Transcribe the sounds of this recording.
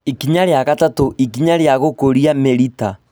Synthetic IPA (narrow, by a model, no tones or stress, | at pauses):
ikiɲaɾeaɣatatoʔikiɲaɾjaɣokoɾiameɾita